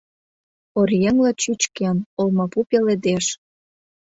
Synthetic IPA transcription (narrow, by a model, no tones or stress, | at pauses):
orjeŋlĕt͡ɕyt͡ɕkenolmɑpupeled̪eʃ